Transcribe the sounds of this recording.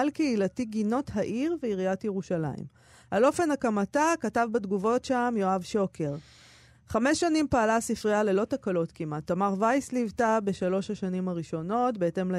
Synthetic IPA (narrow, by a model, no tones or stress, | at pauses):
alkeilatiɡino̞thaʔiʁveiʁiatjeʁuʃala̰ḭm | ʔalo̞fe̞nhakamatakatavbadɡuvo̞tʃamjo̞avʃo̞kʰe̞ʁ | χame̞ʃːanimpaːlasifʁiale̞lo̞takalo̞tkimatːamaʁvajslivtabe̞ʃalo̞ʃhaʃanimhaʁiʃo̞no̞tbe̞ete̞ml